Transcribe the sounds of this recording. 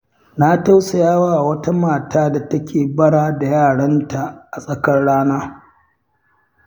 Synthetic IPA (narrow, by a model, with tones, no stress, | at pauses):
na˦ta˦wsɐ˨jaː˦waː˦ʔa˨wɐ˦ta˦maː˨taː˦da˨tɐ˦kʲʰeː˨bɐ˦ɽaː˦da˨jaː˦˨ɽɐ˦nta˨ʔa˨sʼɐ˨kɐ˦rɽaː˦naː˦